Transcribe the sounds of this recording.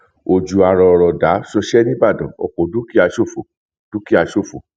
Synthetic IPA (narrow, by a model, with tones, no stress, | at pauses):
o˨d͡ʒu˨a˧ɾɔ˧˨˧ɾɔ˨da˨˦ʃɔ˧ʃɛ˦nĩ˦ba˦˨dɔ̃˨ɔ̰˨k͡po˨du˦ki˦a˧ʃo˦˨fo˨ | d̥u˨˦ki˦a˧ʃo˦˨fo˨